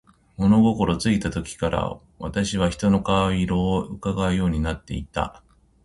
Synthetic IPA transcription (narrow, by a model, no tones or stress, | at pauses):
mo̞no̞ɡo̞ko̞ɾo̞t͡sɨit̪at̪o̞kʲi̥kaɾa̰ | βat̪aɕiβ̞açi̥t̪o̞no̞kaaiɾo̞ːɯkaɡaɯ̟jo̞ːɲ̟inat̪ːe̞̰it̪a̰